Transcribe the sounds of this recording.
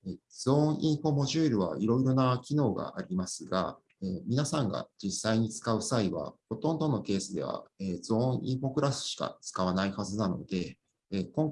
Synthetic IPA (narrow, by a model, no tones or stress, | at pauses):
ez̥õ̞ːɰ̃ʔĩɰ̃ɸo̞mo̞ʑɨːɾɯ̟βa̰iɾo̞iɾo̞nakʲino̞ːɡa̰ʔaɾʲimasɨɡa̰ | eːmʲinasãŋɡa̰d͡ʑisːaiɲ̟it͡sɨ̥kaɯ̟saiβa̰ho̞t̪õ̞nd̪o̞no̞ke̞ːsɨd̪e̞̰β̞a̰eːzõ̞ːɰ̃ḭ̃ɰ̃ɸo̞kɯ̟ɾasɨ̥ɕi̥ka̰t͡sɨ̥kaβ̞anaihazɨnano̞̰d̪̥e̞ | ekõ̞ŋ